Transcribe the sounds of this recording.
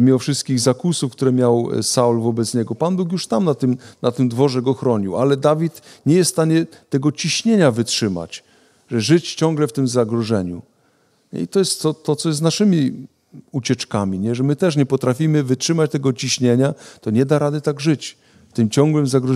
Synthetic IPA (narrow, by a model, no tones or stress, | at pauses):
mʲimɔfʂɘst̪̚kʲiɣzakusufkt̪uɾɛmʲjawsaulvɔbɛt̪sɲɛɡɔpanbuk̬juʂt̪amnat̪ɘmnat̪ɘmd̪vɔʐɛɡɔxɾɔɲiwalɛd̪avʲit̪ɲɛjɛsst̪aɲɛt̪ɛɡɔt͡ɕiɕɲeɲavɘtʂɘma̰t͡ɕ | ʐɛʐɘt͡ɕt͡ɕɔŋɡlɛft̪ɘmzaɡɾɔʐɛɲṵ | ɲɛ̰it̪ɔjɛst̪ːɔt̪ɔt̪sɔjɛznaʂɘmʲi | ut͡ɕɛt͡ʂkamʲiɲɛʐɛmɘt̪ɛʂ̬ɲɛpɔt̪ɾafʲimɘvɘtʂɘmat͡ɕt̪ɛɡɔt͡ɕiɕɲeɲat̪ɔɲɛd̪aɾad̪ɘt̪aɡʐɘt͡ɕ | ft̪ɘmt͡ɕɔŋɡwɘmzaɡɾ